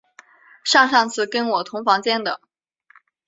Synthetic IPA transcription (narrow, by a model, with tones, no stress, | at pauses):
ʂɑ˥˧ŋʂɑ˥˧ŋt͡sʰɹ̩˥˩kə˥nwɔ˨˩t̪ʰʊ˧˥ŋfɑ˧˥ŋt͡ɕjɛ˥˩nd̪ə˨˩